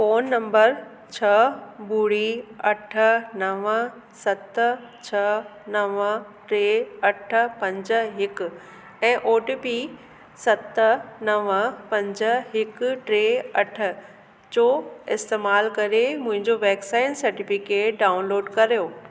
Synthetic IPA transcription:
foːnːɐ̃mbəɾ | t͡ɕʰɐbuːɽiɐʈʰə̆nɐʋə | sɐt̪t͡ɕʰɐnɐʋəʈɾeːɐʈʰə̆pɐ̃ɲd͡ʑ̆ɦɪkʊ̆ | ɛ̃ːʔoːʈipi | sɐt̪nɐʋəpɐ̃ɲd͡ʑəɦɪkʈɾeːɐʈʰə̆ | t͡ɕoːɪst̪eːmaːlkɐɾemʊ̃ɦɪ̃ɲd͡ʑoʋɛːksaːɪnsɐɾʈifɪkeːʈ̚ɖaːʊnloːɖkɐɾjoː

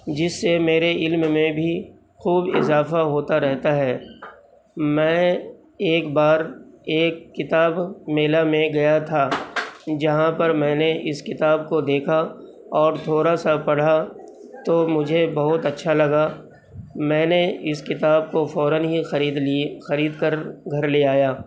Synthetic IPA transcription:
d͡ʒɪsːemeːɾeɪlmmẽbʱi | xuːbɪ̰zaːfaɦoːt̪aɾɛɦt̪aɦɛː | mɛ̃ː | eːkbaːɾeːkːɪt̪aːbmeːlamẽɡɐjat̪ʰaːd͡ʒɐɦãpɐɾmɛ̃ːneʔɪskɪt̪aːb̚kod̪eːkʰa | ɔːɾt̪ʰoːɾasapɐɽ̤a | t̪omʊd͡ʒʱebɐɦʊt̪ɐtːʃʰalɐɡa | mɛ̃ːneɪskɪt̪aːb̚kofɔːɾənɦixiːd̪ixɐɾiːd̪kɐɾɡʱɐɾleaːjaː

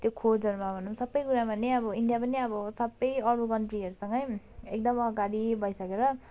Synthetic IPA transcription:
t̪jokʰod͡zʌɾumabʱʌnumsʌbʌjkuɾabʌneʌbʌiɳɖijapʌniʌbʌsʌbːʌjʌɾukʌɳʈriɦʌɾusʌŋɡʌj | ek̚d̪ʌmʌɡaɽibʱʌjsʌkeɾʌ

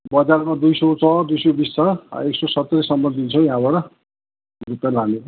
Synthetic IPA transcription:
bʌd͡zaɾmad̪ujsʌt͡sʌd̪ujsobist͡sʰʌ̰eksosʌt̪ːʌɾisʌmbʌnd̪int͡sʰʌjaãbʌɾʌ | rupjaɾlane

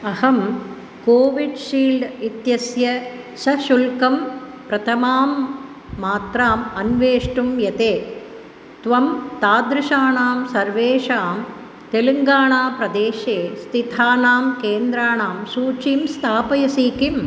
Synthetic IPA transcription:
ɐhɐm | koːʋiɖʃiːlɖit̪jɐsjɐ | ʃɐʃulkɐm | pɾɐt̪ʰɐmaːmː | aːt̪ɾaːmɐnʋeːʂʈumjɐt̪eː | t̪ʋɐmt̪aːd̪ɾɪʂaːɳaːmsɐɾʋeːʂaːm | t̪elɐŋɡaːɳaːpɾɐd̪eːʃeːst̪ʰit̪aːnaːmkeːnd̪ɾaːɳaːmsuːt͡ʃiːmst̪ʰaːpɐjɐsiːkim

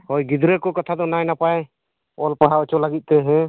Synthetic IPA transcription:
hɔjɡid̪ɾɛkɔkɔt̪ʰad̪ɔnajnapaj | ɔlpaɦaɔt͡ʃɔlaɡit̪̚t̪ɛɦɛ̃

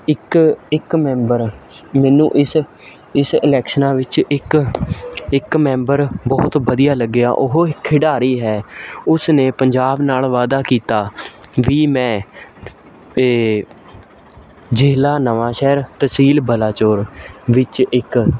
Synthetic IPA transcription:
ɪkɪkmɛ̃ːmbəɾmɛːnṵ̃ːʔɪs | ɪsɪlɛːkʃənãːʋɪt͡ʃɪk | ɪkmɛ̃ːmbəɾbɔːt̪ʋəd̪ijaːləɡːɪja̰ːʔʊɦoɪkʰːɪɖaːɾiːɦɛːʊsneːpəɲd͡ʒaːbnaːlʋaːd̪aːkiːt̪aːʋiːmɛ̃ː | d͡ʒeːlaːnəʋãːʃɛːɾt̪əsiːlbəlaːt͡ʃoːɾʋɪt͡ʃɪk

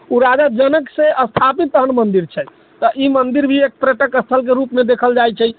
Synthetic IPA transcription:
uɾad͡ʒad͡ʒənəkseʔəst̪ʰapit̪ːəɦənmənd̪iɾt͡ʃʰɛ | t̪ɔʔimənd̪iɾbʱiek̚pɾeʈəkəst̪ʰəlk̬eɾupmed̪ekʰəld͡ʒajt͡ʃʰɛ

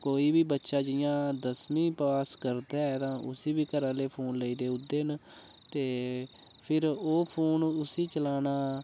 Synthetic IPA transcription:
koːiːbiːbətːʃaːd͡ʒɪjãːd̪əsmĩːpəʋaːskəɾd̪ɛːɛːt̪ãːʔʊsiːbiːkəɾãːleːpʰoːnləiːd̪eːʊd̪ːeːn | t̪eː | pʰɪɾoːpʰoːnʊsiːt͡ʃəlaːnaː

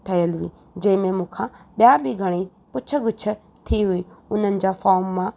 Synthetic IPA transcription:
t̪ʰɐjəlʊĩː | d͡ʑɐ̃ɪ̃mẽmũːkʰãɓjaːbʱiɡʱɐɽ̃i | pʊt͡ʃʰə̆ɡʊt͡ʃʰə̆ | t̪ʰiɦʊiːʊn̤ənɪ̆d͡ʑaːfɔːɾmːã

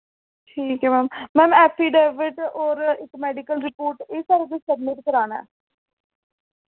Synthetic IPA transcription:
ʈʰiːkɦɛːmɛːmmɛ̃ːmɛːpʰiːɖɛːʋɪʈɔːɾɪkmɛːɖɪkəlɾɪpoːɾʈeːsaːɾed̪iːsəbmɪʈ̚kəɾaːnɛ̰ː

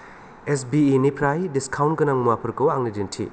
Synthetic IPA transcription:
es̬biːnipʰɾajdiskʰawnɡɐnaŋmuwapʰɐɾkɐwaŋnidintʰḭ

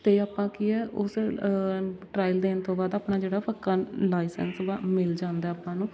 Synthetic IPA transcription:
t̪eːaːpːãːkiɛːʔʊs | ʈɾaːɪld̪eːnt̪õːbaːd̪aːpnaːd͡ʒeːɽaːpʰəkːãːlaːisə̰nsʋamɪld͡ʒãːnd̪aːaːpːãːnũː

